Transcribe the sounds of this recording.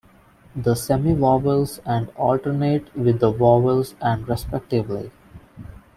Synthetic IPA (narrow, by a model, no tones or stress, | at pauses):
d̪əsɛmiʋɔːʋəlsæ̃ɳɖɔːlʈəɾneːʈʋɪd̪ːəʋɔːʋəlsæ̃ɳɖɾɛspɛk̚ʈɪʋlḭ